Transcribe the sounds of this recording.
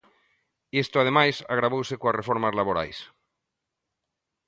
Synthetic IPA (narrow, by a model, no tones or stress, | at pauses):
est̪oað̞emajsaɣɾaβ̞owsekoarefoɾmazlaβoɾa̰js